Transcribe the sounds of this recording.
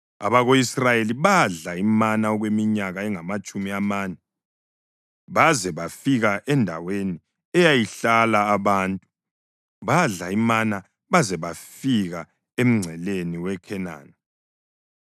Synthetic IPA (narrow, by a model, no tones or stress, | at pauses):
a̰βaɣoisrajeliβaɮaimanaɔɣwemiɲaɣaɛŋamat͡ʃʼumiamaːnɛ | βazɛβafiɣaʔɛndʱa̰weni | ɛjajiɬalaːβaːntʼu | βaɮaimana | βazɛβafiɣa | em̩ŋ͡ǀʱɛleniwɛkʰɛna̰ːna